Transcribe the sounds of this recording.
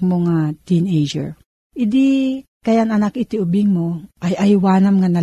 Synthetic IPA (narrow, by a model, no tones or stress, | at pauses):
moŋat̪inejd͡ʒɛ̰ɹ | ʔɪd̪ɪ | kɐjaʔŋɐnakɪt̪ɪʊbɪŋmoʔajʔɐjwaːnɐmŋanɐ